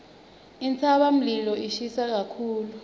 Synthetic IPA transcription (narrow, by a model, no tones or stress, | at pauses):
int͡sʰaɓam̩lilɔiʃisak̬akʰuːlu